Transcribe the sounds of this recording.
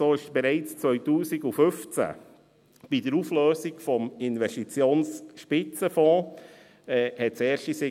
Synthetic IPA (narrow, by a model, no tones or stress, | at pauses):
soːɪʃb̥ɛɾɛɪt͡st͡sʋœʏtuːsiɡufʏft͡sæ̰ | b̥idəɾufløːsiɡfɔmɪnʋɛʃtit͡sjoːnsʃpɪt͡səfɔ̃ː | ɛːhɛtsɛːɾʃtisɪ